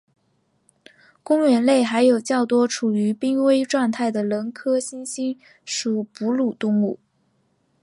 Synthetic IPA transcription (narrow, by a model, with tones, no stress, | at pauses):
kʊ˥ŋɥɛ˧˥nle˥˩ɪxa˧˥ɪjo˨˩ʊt͡ɕjɑ˥˩ʊt̪wɔ˥ʈ͡ʂʰu˨˩y˧˥pi˥ŋwe˥ɪʈ͡ʂwa˥˧ŋt̪ʰa˥˩ɪd̪ə˩lə˧˥nkʰɤ˥ɕi˥nɕi˥n | ʂu˨˩pu˧˥lu˨˩t̪ʊ˥˧ŋu˥˩